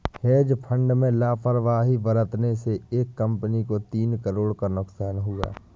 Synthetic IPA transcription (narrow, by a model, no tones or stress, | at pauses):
heːd͡ʒpʰə̃ɳɖmẽlaːpʰəɾʋaːɦibəɾət̪neseeːkːə̃mpənikot̪iːnkəɾoːɽkanʊksaːnɦʊɡa̰ː